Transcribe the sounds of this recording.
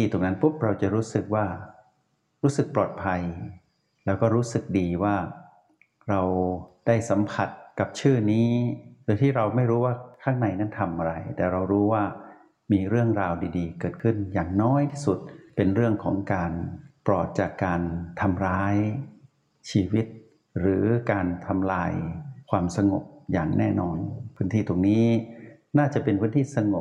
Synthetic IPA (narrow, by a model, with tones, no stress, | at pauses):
iː˧t̪o˨˧˩ŋna˦˥npʰu˦˥p̚ɾa˧wt͡ɕa˨˩ɾuː˦˥sɯ˨˩k̚waː˥˩ | ɾuː˦˥sɯ˨˩k̚plɔː˨˩t̪̚pʰa˧j | lɛː˦˥wkɔː˥˩ɾuː˦˥sɯ˨˩k̚diː˧waː˥˩ | ɾa˧wd̥aː˥˩jsa˩˦mpʰa˨˩t̪̚ka˨˩p̚t͡ɕʰɯː˥˩niː˦˥d̪o˧t̪ʰiː˥˩ɾa˧wma˥˩jɾuː˦˥waː˥˩kʰaː˥˩ŋna˧˩jna˦˥˩nt̪ʰa˧mʔa˧ɾa˧jt̪ɛː˨˩ɾa˧wɾuː˦˥waː˥˩ | miː˧ɾɯ˥˩əŋɾaː˧wdiː˧diː˧kɤː˨˩t̪̚kʰɯ˥˩njaː˨˩ŋnɔː˦˥˩jt̪ʰiː˥˩su˨˩t̪̚pe˧nɾɯ˥˩əŋkʰɔː˩˦ŋkaː˧npɾɔː˨˩t̪̚t͡ɕaː˨˩kːaː˧nt̪ʰa˧mɾaː˦˥j | t͡ɕʰiː˧wi˦˥t̪̚ | ɾɯː˩˦kaː˧nt̪ʰa˧mlaː˧jkʰwaː˧msa˧ŋo˨˩p̚jaː˨˩ŋnɛː˥˩nɔː˧npʰɯː˦˥nt̪ʰiː˥˩t̪o˨˩ŋniː˦˥ | naː˥˩t͡ɕa˨˩ʔpe˧npʰɯː˦˥nt̪ʰiː˥˩sa˧ŋo˨˩p̚